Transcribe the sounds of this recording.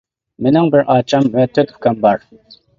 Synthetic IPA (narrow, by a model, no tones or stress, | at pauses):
mɪnɪŋbɪɾʔɑːt͡ʃʰɑmvɛt̪ʰøt̪ʰkʰɑmbɑɾ